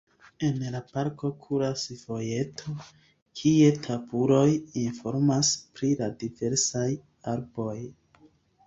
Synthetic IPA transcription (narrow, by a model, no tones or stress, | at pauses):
e̞nlapaɾko̞kʰuɾasvo̞je̞tʰo̞ | kʰie̞tʰabuɾo̞jinfo̞ɾmaspɾiladive̞ɾsaj | aɾbo̞j